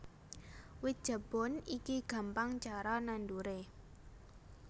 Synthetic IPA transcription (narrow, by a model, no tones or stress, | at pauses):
wit̪̚dʒ̥ə̤b̥ɔ̤nikiɡ̥a̤mpaŋt͡ʃaɾananduɾe